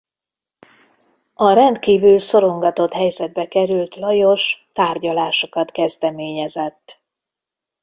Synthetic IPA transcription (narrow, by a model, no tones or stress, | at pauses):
ɒɾɛnt̪kiːvylso̞ɾo̞ŋɡɒt̪o̞t̪hɛjzɛd̪̚bɛkɛɾylt̪lɒjo̞ʃt̪aːrɟɒlaːʃo̞kɒt̪kɛzd̪ɛmeːɲɛzɛt̪ː